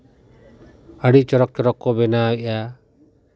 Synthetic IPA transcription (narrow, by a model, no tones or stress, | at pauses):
əɽit͡ʃɔɾɔk̚t͡ʃɔɾɔkːɔbɛnaɛʔa